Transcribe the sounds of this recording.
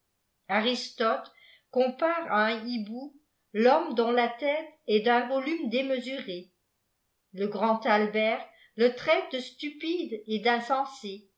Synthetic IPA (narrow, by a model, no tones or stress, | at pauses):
aʁist̪ɔt̪ | kɔ̃paʁa̰ɛ̃ibu | lɔmd̪ɔ̃lat̪ɛt̪ɛd̪ɛ̃vɔlymd̪eməzyʁe | ləɡʁɑ̃t̪albɛʁ | lət̪χɛt̪̚d̪əst̪ypid̪ed̪ɛ̃sɑ̃se